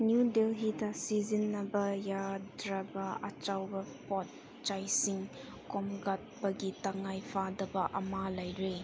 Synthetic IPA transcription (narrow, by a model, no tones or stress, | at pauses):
njudelɦitɐsizinːɐbɐjadɾɐbɐɐ̰t͡ʃawbɐpɔt̚ | t͡ʃajsiŋ | komɡat̚pɐɡitaŋajpʰadɐbɐʔɐmalajɾe